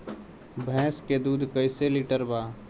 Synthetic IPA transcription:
bʱɛ̃ːsked̪uːd̪ʱkəɪseliʈəɾbaː

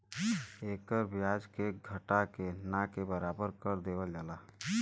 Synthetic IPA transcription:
eːkəɾbjad͡ʒkeɡʱəʈakenakebəɾaːbəɾkəɾd̪eːwəld͡ʒaːlaː

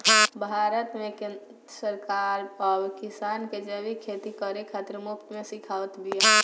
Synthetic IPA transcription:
bʱaɾət̪mẽk | səɾkaɾəbkisanked͡ʒəbikʰet̪ikəɾekʰat̪ɾmʊkt̪mesikʰaːʋət̪bʱia

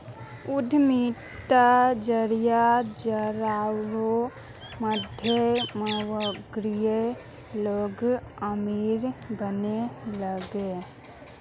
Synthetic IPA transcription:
ud̪ʱmi | t̪ad͡ʒəɾijad͡ʒəɾaɾo | məd̪ʱjəməwəɡɾije | loːɡəmiɾbəneləɡe

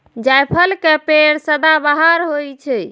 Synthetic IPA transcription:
d͡ʒajpʰəlkɛpeɾsəd̪abaɦaɾɦojt͡ʃʰɛ

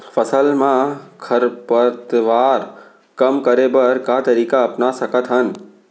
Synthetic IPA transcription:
fɐsəlmãkʰɐɾpət̪ʋaːɾ | kɐmkɐɾebɐɾkaːt̪ɐɾiːkaɐpnasɐkət̪ɦən

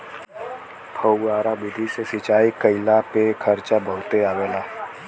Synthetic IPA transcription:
pʰəwɡaːɾabɪd̪ʱisesɪt͡ʃaːikəɪlapekʰəɾt͡ʃabəɦt̪eaːʋeːlaː

